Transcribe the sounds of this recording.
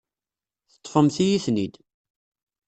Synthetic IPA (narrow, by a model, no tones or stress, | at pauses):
θə̥t̪ˤːfəmθijiθnid̪